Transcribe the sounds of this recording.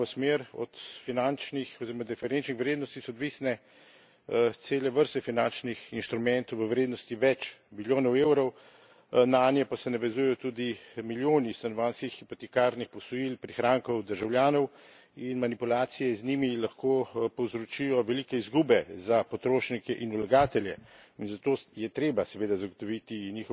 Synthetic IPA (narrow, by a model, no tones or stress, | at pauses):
ɔsmeɾɔ̰t̪finant͡ʃnixɔziɾɔmad̪ɛfɛɾent͡ʃnixʋɾeːd̪nɔst̪isɔd̪ʋiːsnɛ | t̪seːlɛʋəɾst̪ɛfinant͡ʃnixinʃt̪ɾumɛnt̪ɔwʋəʋɾeːd̪nɔst̪iʋɛt͡ʃmiljoːnɔwewɾɔw | naːnjɛpasɛnaʋɛzujɛjɔt̪ud̪imiljoːnist̪anɔʋaːnskixːipɔt̪ɛkaːɾnixpɔsɔjilpɾixɾaːŋkɔwd̪əɾʒawljaːnɔw | inmanipulaːt̪sijɛznimilaxkoːpɔwzɾɔt͡ʃijɔʋɛlikɛizɡuːbɛzapɔt̪ɾoːʃnikɛʔinulaɡaːt̪ɛljɛ | inzat̪oːjɛt̪ɾeːbasɛʋeːd̪azaɡɔt̪ɔʋit̪iɲiːxɔ